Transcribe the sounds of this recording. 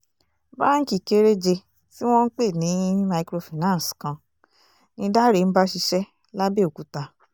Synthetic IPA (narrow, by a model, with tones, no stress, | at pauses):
ba˦n̩˦ki˨ke˦ɾe˦d͡ʒe˧ | ti˦w̃ɔ̃˦n̩˦k͡pe˦˨nĩ˨˦i˦ma˧i˧kɾo˧fi˨nã˦˨skã˧ | nĩ˧da˦ɾe˨n̩˦ba˦ʃi˧ʃɛ˦ | la˦be˦o˨ku˨˦ta˧